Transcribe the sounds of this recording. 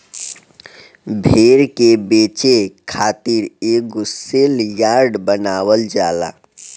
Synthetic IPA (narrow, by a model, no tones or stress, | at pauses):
bʱeːɾkebeːt͡ʃekʰaːt̪iɾeɡʊseljaɾɖbənaːwəld͡ʒaːla̰ː